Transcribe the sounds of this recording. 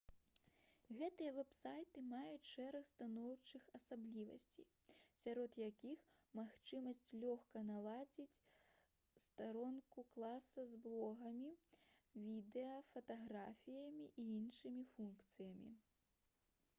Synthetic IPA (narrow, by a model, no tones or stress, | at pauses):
ɣɛt̪ɨjɐvɛpsajt̪ɨmajut͡sʲʂɛɾɐxst̪anɔwt͡ʂɨxɐsablʲivɐ̰sʲt͡sʲi | sʲaɾɔt̪jakʲix | maxt͡ʂɨmɐsʲt͡sʲlʲɔxkɐnalˠad͡zʲit͡sʲ | st̪aɾɔnkuklˠasɐzblˠɔɣɐmʲivʲid̪ɛɐfɐt̪aɣɾafʲijɐmʲiʔiinʂɨmʲifunkt̪sɨjɐmʲḭ